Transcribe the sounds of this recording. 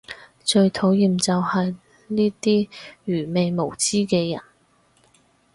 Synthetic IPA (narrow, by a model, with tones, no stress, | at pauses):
t͡ʃɵ˧ɥt̪ʰo˨˥wjiː˨mt͡sɐ˨whɐ˨j | niː˥t̪iː˥ɥyː˨˩me˨jmo˨˩wt͡siː˥kɛː˧jɐ̰˨˩n